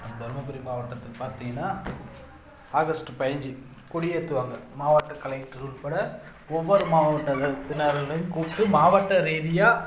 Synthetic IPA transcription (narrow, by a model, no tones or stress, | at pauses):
ɐmd̪ɔɾmɐp̬ɛɾimaːʋɐʈːɐt̪ːɐpaːɾt̪iŋɡɐnːaː | aːɣɐsʈɯpɐjɐɲd͡ʒɯ | kʊɽɪjɐt̪ːɯʋaːŋɡɐmaːʋɐʈːɐkɐlɐkʈːɯɾuːlpɐɽɐ | ɔʋːɔɾɯmaːʋɐʋɐʈːɐɐt̪ɪnːɐɾɐlɐkuːpʈːɯmaːʋɐʈːɐɾeːɽɪjaː